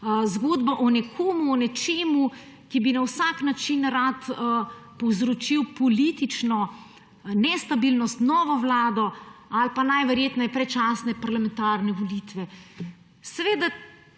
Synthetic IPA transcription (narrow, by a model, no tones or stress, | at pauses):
zɡoːd̪baʔɔnɛkʰoːmuɔnɛt͡ʃeːmu | kibinawsaknat͡ʃinɾat̪ | pɔwzɾɔt͡ʃiwpɔlit̪it͡ʃnɔ | nɛst̪abilnɔst̪nɔːʋɔʋlaːd̪ɔalpanajʋɛɾjeːt̪napɾɛt͡ʃaːsnɛpaɾlamɛ̃nt̪aːɾnɛʋɔlit̪ʋɛ | sɛʋeːd̪a